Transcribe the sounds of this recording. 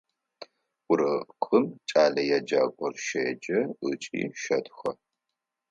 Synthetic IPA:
ʊɾɐqʰʼɨmt͡ʃʼaːɮɐjad͡ʒaːɡʷɔrʃeːd͡ʒɐət͡ʃʼḭːʃɐtʰʼxɐ

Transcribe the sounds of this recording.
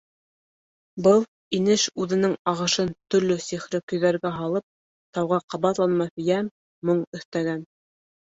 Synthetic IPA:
bɤlˠ | inɘʃʉðɘ̆nɘŋɑʁɤ̆ʃɤnt̪ɵ̆ɾlɵsiχɾɘkɵ̆jðæɾɡæɦɑlˠɤp̚ | t̪ɑwʁɑqɑβɑt̪lˠɑnmɑθjæmː | oɴɵ̆θt̪æɡæn

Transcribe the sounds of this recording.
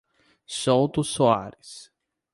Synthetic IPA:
sowt̪ʊsoaɾɪs

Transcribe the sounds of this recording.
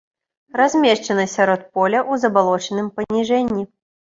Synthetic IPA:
razʲmʲeʂt͡ʂɛnɐsʲaɾɔt̪̚pɔlʲɐʔuzɐbalˠɔt͡ʂənɨmpɐnʲiʐɛnʲːi

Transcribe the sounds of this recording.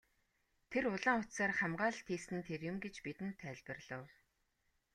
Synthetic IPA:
t̪ʰerʊɮaːŋʊt̪saːrχamɢaːɮt̪ʰiːsɘ̆nt̪ʰerjʊmɡet͡ɕpit̪ɘ̆nt̪ʰːæɮʲpə̆rɮə̆w

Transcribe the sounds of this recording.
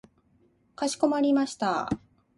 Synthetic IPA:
kaɕi̥ko̞maɾʲimaɕi̥t̪a̰

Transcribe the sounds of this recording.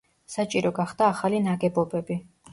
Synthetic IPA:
sat͡ʃʼiɾɔɡaχd̪̥aːχalinaɡɛbɔbɛbi

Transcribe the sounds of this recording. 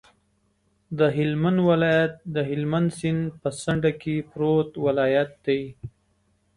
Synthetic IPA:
d̪əɦɪlmanwɪlɑjat̪̚d̪əɦɪlmand̪sɪnpəsaɳɖakepɾot̪wɪlɑːjat̪̚d̪aj

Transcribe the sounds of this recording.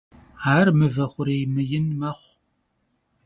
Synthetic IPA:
aːrmɨvɐχʷʊɾejmɨjɪnmɐχʷ

